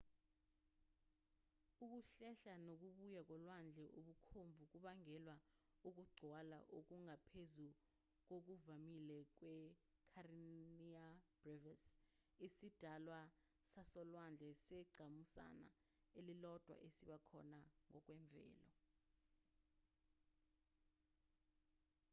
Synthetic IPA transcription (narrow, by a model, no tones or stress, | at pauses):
uk̬uɬɛɬanok̬uɓujak̬ɔlwand͡ɮʱɛʔuɓukʰombvʱuk̬ʼuɓaŋɛlwa | uk̬uɡ͡ǀʱwala̰ʔok̬uŋapʰezu | k̬ok̬uvamilɛk̬wɛ | kʰariniab̥rɛvas | isid̥ʱalwa | sasɔlwand͡ɮʱɛsɛɡ͡ǀʱamusa̰na̰ | elilɔd̥ʱwa̰ʔesiɓakʰɔ̰naŋɔk̬ʼwɛɱb̪vʱɛ̰ːlɔ̰